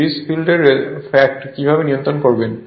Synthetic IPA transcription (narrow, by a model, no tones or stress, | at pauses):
isfilɖeɾfɛk̚ʈkibʱabenijõnt̪ɾonkoɾben